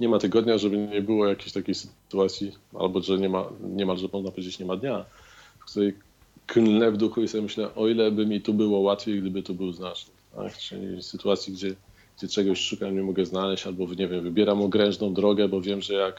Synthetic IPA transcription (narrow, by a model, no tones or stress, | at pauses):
ɲɛmat̪ɘɡɔd̪ɲaʐɛbɘɲɛbɘwɔjakʲeɕt̪akʲexsɘ̥t̪uat̪sʲjia̰lbɔʐɛɲɛma̰ɲɛmalʐɛmɔʐnapɔvʲed͡ʑet͡ɕɲɛmad̪ɲa | fkt̪uɾɛj | knlɛvd̪uxuisɔbʲmɘɕlɛʔɔilɛbɘmʲit̪ubɘwɔwat̪fʲejɡd̪ɘbɘt̪ɔbɘwznat͡ʂnɘt̪a̰kt͡ʂɘ̰lʲḭsɘt̪uat̪sʲjiɡd͡ʑɛ | ɡ̥d͡ʑɛt͡ʂɛɡɔɕʂukaɲɛmɔɡɛznalɛɕt͡ɕalbɔɲɛvʲjɛmvɘbʲjɛɾamɔɡɾɛñʐnɔ̃w̃d̪ɾɔɡɛbɔvʲjɛmʐɛjak